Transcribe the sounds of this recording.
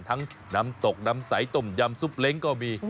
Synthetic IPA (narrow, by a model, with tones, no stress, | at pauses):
nt̪ʰa˨˧˦ŋ | na˨˧˦mt̪o˨˩k̚na˧msa˧˩˦jt̪o˨˩mzaː˧msu˦˥p̚le˨˦nkɔː˧mi˧˩